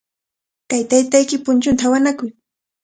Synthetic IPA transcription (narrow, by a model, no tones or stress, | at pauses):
kajt̪ajt̪ajkɪpʊnt͡ʃʊnt̪ʰaawanakʊj